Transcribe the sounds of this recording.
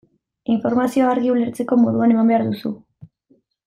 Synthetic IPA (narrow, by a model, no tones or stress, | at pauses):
iɱfo̞ɾmasio̞aɾɣiule̞ɾt͡se̞ko̞mo̞ðuane̞mambeaɾðusu